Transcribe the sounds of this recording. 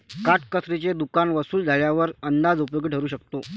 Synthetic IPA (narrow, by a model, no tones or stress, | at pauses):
kaʈ̚kəsɾit͡sed̪ukanʋəsuːld͡zʱaɭjaʋəɾənd̪ad͡zupjoɡiʈʰəɾuːɕəkt̪o